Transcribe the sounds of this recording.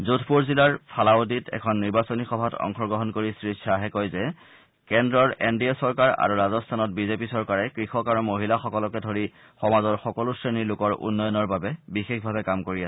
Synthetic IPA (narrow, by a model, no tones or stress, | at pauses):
zotʰpuɹzilaɹpʰalaoditʰɛ̰kʰɔnːiɹbasonixɔbʱatɔ̰ŋxɔɹɡɹɔɦɔnkoɹisɹisʰaɦɛkɔjzɛ | kɛndɹɔɹendiesɔɹkaɹa̰ɹuɹazɔstʰanɔt̚bizepisɔɹkaɹɛkɹixɔkaɹumoɦilaxɔkɔlɔkɛdʱoɹi | xɔmazɔɹxɔkɔlusɹenilʊkɔɹʔṵnːɔjɔnɔɹbabɛbixekʰbʱabɛkamkoɹiasɛ